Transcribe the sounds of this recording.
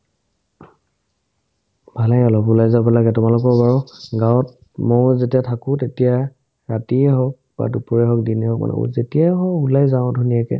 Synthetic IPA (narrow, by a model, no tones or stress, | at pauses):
bʱalɛjɔlɔpulajzabɔlaɡɛtʊmalʊkɔɹbaɹɔɡawɔt̚ | mɔzetiatʰakʊ̃tetija | ɹatiɛɦɔk̚ | b̥a̰dupɔɹɛɦɔk̚diniɦɔk̚ma̰nɛ̰zetijaɦɔulajzaʊ̃dʱunijakɛ̰